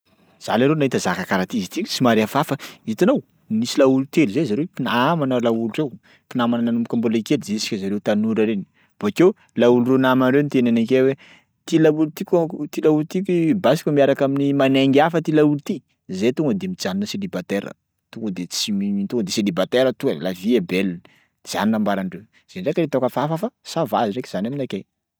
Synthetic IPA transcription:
z̥a̰laɾenaɦit̪əzakakaɾat̪izit̪isimaɾafafəit̪anow | nisilaulut̪eluzezaɾewpinaamanəlaulurew | pinaamanənanumu̥kambolekeld͡ʒesi̥kʲəzaɾewt̪anuɾaɾeni̥ | v̥akew | laulurenamanɾewnt̪enanakewe | t̪ilault̪ikʲt̪ilaulut̪ikibasi̥kʲumiaɾakaminimaneŋɡafət̪ilaulut̪i | zet̪uŋɡəd̪emit͡saninəselibat̪eɾə̰ | t̪uŋɡəd̪et͡simiit̪uŋɡəd̪eselibat̪eɾət̪uḛlaviebel | d͡za̰ninambaɾaɳɖ͡ʐew | z̥eɳɖ͡ʐekaɾet̪okəfafafasava̰ziɖ͡ʐekʲi̥z̥anaminakej

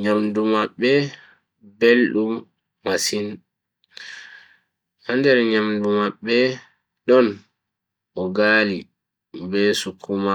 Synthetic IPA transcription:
ɲamdumaɓːɛ | belɗumː | asin | handɛɾɲamdumaɓːɛ | ɗɔn | ʔɔɡaːli | bɛsukʰːuma

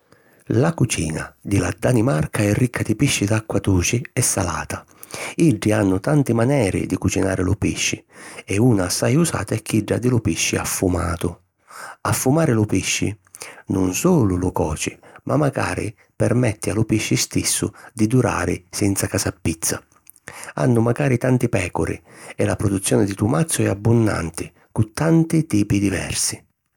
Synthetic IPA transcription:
lakut͡ʃiːna̰d̪ɪlad̪animarkʰaɛrːikʰːad̪ɪpiʃːɪd̪akːwat̪uːt͡ʃɪɛsːa̰laːt̪a | iɖːianːʊt̪ant̪ɪmanɛːɾɪ̰d̪ikut͡ʃinaːɾɪlʊpiʃːɪɛuːnaːsːajusa̰ːt̪aɛkʰːiɖːa̰d̪ɪlʊpiʃːɪafːumaːt̪ʊ | afːumaːɾɪlʊpiʃːɪ̰nʊnsuːlʊlʊkɔːt͡ʃɪmʔamːaɡa̰ːɾḭ | pɛrmɛt̪ːɪalʊpiʃːɪst̪isːʊ̰d̪id̪uɾa̰ːɾɪ̰sɛnt̪sakasapːit̪sːa̰ | a̰nːʊmaɡaːɾit̪ant̪ɪpɛːkʊɾɪ̰ɛlapɾɔd̪ut̪sːjɔːnɪd̪it̪umat̪sːjʊɛabːʊnːa̰nt̪ɪ | kut̪ːant̪ɪt̪iːpid̪ivɛ̰rsɪ

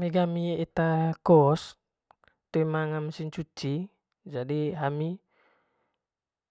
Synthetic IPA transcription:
miɡamiit̪akɔs | t̪uimaŋamsint͡ʃut͡ʃi | d͡ʒadiɦami

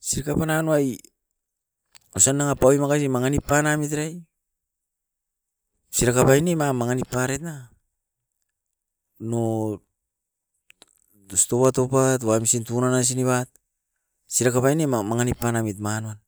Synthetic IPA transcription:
siɾkapananuaj | osanːaŋapawimakas̬imaŋanipːanamit̬ɾaj | siɾakapajnemamaŋanipːaɾetna | no | osto̞pato̞pat̬wamisintunanas̬iniβat̚ | siɾakapajnemamaŋanipːanamitmanuan

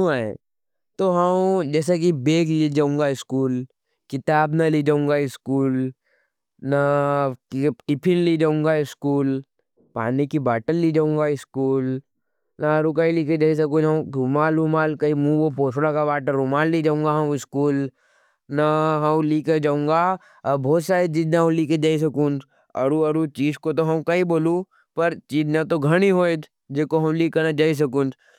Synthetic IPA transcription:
aẽ | t̪oɦɐd͡ʒɛːsek̬ibeːklid͡ʒaːũŋɡaɪskuːl | kɪt̪aːbnalid͡ʒaːũŋɡaɪskuːl | nakʈɪpʰɪnlid͡ʒaːũŋɡaɪskuːl | pa̰ːnikibaːʈəllid͡ʒaːũːŋ̆ɡaɪskuːl | naɐɾukaːiliːked͡ʒaːis̬ɐkũd͡ʒɐ̃umaːlumaːlkɐimũːopʰoːsɽakabaːʈəɾʊmaːlːid͡ʒaːũːŋɡaɦɐ̃ɪskuːl | naɦɐ̃liːked͡ʒaːũːŋɡa | bʱɔːt̪saːɾet͡ʃiːd͡ʒnaõliked͡ʒaːis̬ɐkũːnd͡ʒ | ɐ̰ɾuɐɾut͡ʃiːd͡ʒkot̪oɦɐmkɐiboːlũ | pɐɾt͡ʃiːd͡ʒnat̪oɡʱɐɽ̃iɦoːed͡ʒ | d͡ʒeːkoɦɐmliːkənad͡ʒaːis̬ɐkũːnd͡ʒ

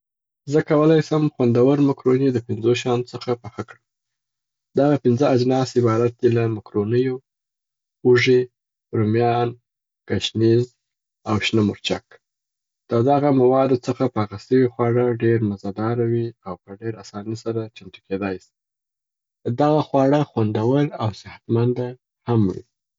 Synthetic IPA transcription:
zəkawəlɑjsəmxwand̪awəɾmakɾoned̪əpɪnzoʃ̬ɑnot͡səxapaxakɽə | d̪aɣapɪnzəad͡ʒnɑsɪbɑɾat̪̚d̪elamakɾonəjo | uʐe | ɾumjɑn | kaʃniz | awʃnamʊɾt͡ʃak | d̪̥əd̪aɣamawɑd̪ot͡səxapəaɣasəwixwɑɽaɖeɾmazɑd̪ɑɾawiawpəɖeɾasɑnisaɾat͡ʃamt̪uked̪ɑjsi̥ | d̪aɣaxwɑɽəxwand̪awəlawsɪhat̪mand̪a | hamwḭ

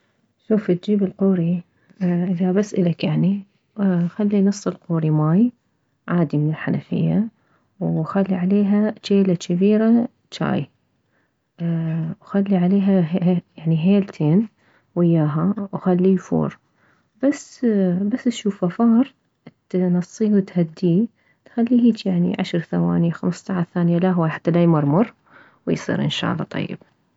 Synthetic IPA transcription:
ʃuːft̪̚d͡ʒiːbɪlquːɾi | ʔɪðabasʔɪlakjaʕni | xalːinɨsˤːɨlquːɾimaːj | ʕaːd̪imɪnɪlħanafɪ̰jːa | wxalːiʕaleːɦat͡ʃeːlat͡ʃabiːɾa | t͡ʃa̰ːj | wxalːiʕaleːɦajaʕniɦeːlt̪ʰeːn | wɪjːaːɦawxalːijfṵːɾ | b̥asbasːʃuːfafɑːɾˤ | nɑsˤːiːwɪt̪had̪ːiː | t̪xalːiːhiːt͡ʃjaʕnḭʕaʃɾˤθawa̰ːnixamst̪aʕaθaːnjalaɦwaħḁt̪ːalajmʊɾˤmʊɾˤ | wɪjsˤḭːɾʔɪ̰nʃa̰ːlˤːɑ̰t̪ˤɑ̰jːɪ̰b̥̚

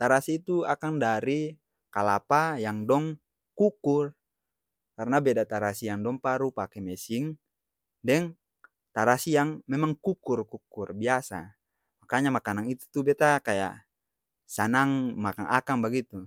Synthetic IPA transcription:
t̪aɾasiːt̪uakaŋdaɾi | kalapajaŋdɔŋ | kukur | karnabɛdat̪aɾasijaŋdɔŋpaɾupakɛmɛsiŋ | dɛŋ | t̪aɾasijaŋmɛmaŋkukurkukurbiasa̰ | makaɲamakanaŋit̪u̥t̪ubɛt̪akaja̰ʔ | sanaŋmaka̰ŋakaŋbaɡit̪u

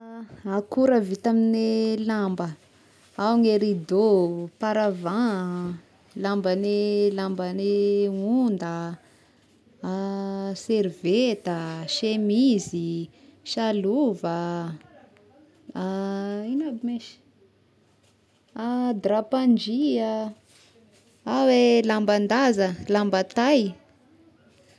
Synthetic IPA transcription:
akuɾəvit̪aminilambə | awŋeɾid̪opaɾavã | lambənelambəneund̪ə | seɾivet̪əʃemizi | ʃaluvə | ainabimiʃ | ad̪ɾapand͡ʒia | awelamband̪azəlambət̪aj

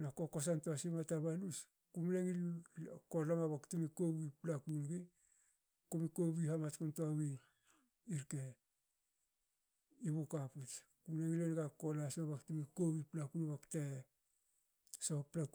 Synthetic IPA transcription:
nako̞ko̞santoasimataβalus | kumneŋilko̞lamaβaktumikoβiplakunɡi | komikoβihamat͡ʃkuntoawi | iɾke | iβokaput͡ʃkumneŋilenɡakolasmaβaktumikowiplakunβakte | soplak

